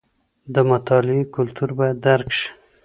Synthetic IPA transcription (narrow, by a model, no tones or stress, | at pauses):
d̪əmat̪ɑlɪikʊlt̪uɾbɑjad̪ːaɾkʃi̥